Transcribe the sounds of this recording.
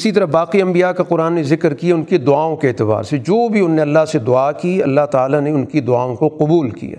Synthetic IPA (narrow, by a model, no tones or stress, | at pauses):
ɪsit̪̬ɐɾəbaːqiɐ̃mbijakaqʊɾaːnːezɪkɾkijaʊnked̪ʊaːõkeeːt̪ɪba̰ːɾsed͡ʒoːbʱiʊnːeɐlːaɦsed̪ʊaːkiɐ̰lːaɦt̪aːlaneʊnkid̪ʊaːõkoqʊbuːlkḭja̰ː